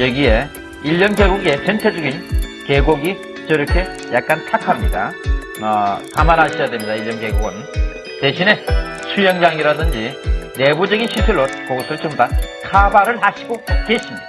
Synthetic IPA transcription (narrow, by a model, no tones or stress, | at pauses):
jʌɡie̞ | iʎːʌnke̞ɡuɡe̞sʰʌntʰed͡ʑʌɡinke̞ɡoɡi | t͡ɕʌɾʌkʰe̞ | jak̚k͈antʰakʰamɲida̰ | ʌkamanɦaɕʰijadwe̞mɲid̪aiʎːjʌnke̞ɡoɡɯn | te̞ɕʰine̞ | t͡ɕʰujʌŋd͡ʑaŋiɾadɯnd͡ʑine̞bud͡ʑʌɡinɕʰisʰɯɭːokoɡʌsʰʌɾɭt͡ɕɯmbakʰabaɾɯɭhaɕʰiɡoke̞ɕʰimɲid̥a